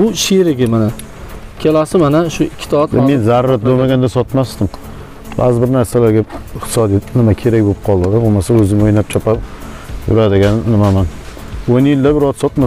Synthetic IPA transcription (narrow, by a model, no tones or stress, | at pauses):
bʊʃeɾɪɡʲɪmana | kʲʰelasɪmanaʃʊɪkʲʰːɪ̥t̪ʰɒt̪menzaɾːat̪̚bolmaɡʲand̪asɒt̪masd̪ɪm | ba̰zɪbɪɾnaɾsalaɾɡʲaɪχt̪ʰɪsɒd̪ijat̪nɪmakʲʰe̞ɾak̚ʲbop̚qʰɒlˠd̪ɪd̪ɪbomasaɵzɪmojnap̚t͡ʃʰɒpʰap | jʊ̰ɾad̪ɪɡʲanːɪmaman | onjɪld̪abɪɾɒt̪sɒt̪ma